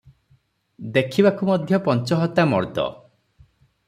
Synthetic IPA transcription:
d̪ekʰibakumɔd̪ʱjɔpɔnt͡ʃɔɦɔt̪amɔ̰ɾd̪ɔ̰

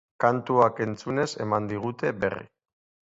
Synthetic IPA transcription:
kant̪uake̞nt͡sune̞se̞mand̪iɣ̞ut̪e̞be̞̰rḭ

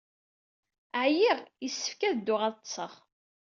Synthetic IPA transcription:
ʕjiʁjəsːə̥fkæðd̪ːʊʁæsːəʁ

